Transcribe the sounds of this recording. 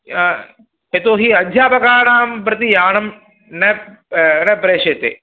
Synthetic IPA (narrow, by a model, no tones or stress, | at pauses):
et̪oːɦiɐd̪ʱjaːpɐkaːɳaːmpɾɐt̪ijaːɳɐm | nɐ | nɐpɾeːʂɐt̪ːḛː